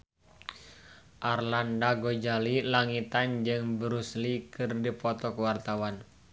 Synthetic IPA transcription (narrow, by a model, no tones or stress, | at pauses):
ʔarlandaɡod͡ʒalilaŋit̪and͡ʒɨŋbɾuslikɨrdipɔt̪ɔkwart̪awan